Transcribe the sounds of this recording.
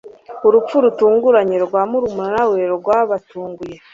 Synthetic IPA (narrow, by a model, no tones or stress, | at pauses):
uɾup͡fuɾutuːŋɡuɾaɲeɾɡwaːmuɾumunanaweɾɾoɾɡwaβatuːŋɡuje̞